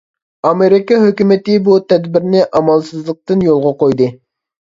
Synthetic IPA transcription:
ɑmeɾɪkɑɦøkʲymɪt̪ɪbut̪ʰɛd̪bɪɾnɪʔɑmɑlˠsɨzlˠəq̚t̪ɨnjolˠʁɑqojd̪ɨ

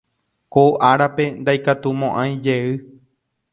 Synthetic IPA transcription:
koʔaɾape̞nd̪ajkat̪umõ̞ʔãj̃d͡ʒe̞ɨ

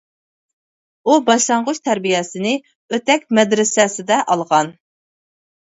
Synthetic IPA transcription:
ubɑʃlˠɑɴʁʊʃt̪ʰɛɾbijɛsɪnɪ | øt̪ɛkʲmɛd̪ɾɪsɛsɪd̪ɛʔɑlˠʁɑn

